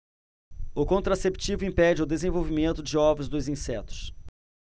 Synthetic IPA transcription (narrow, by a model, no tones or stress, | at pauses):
ʊkõnt̪ɾasept͡ʃivʊĩpɛd͡ʒɪʊwd̪ezẽvowvimẽnt̪ʊd͡ʒɪɔvɾʊzd̪ʊzĩsɛt̪ʊ̥s